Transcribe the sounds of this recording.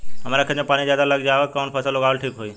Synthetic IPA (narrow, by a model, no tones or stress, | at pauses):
ɦəmaɾakʰəd͡ʑẽpaːɽ̃izjaːd̪aləɡd͡ʑaʋəkəʋənpʰəsəloɡaːlʈʰiːkɦoiː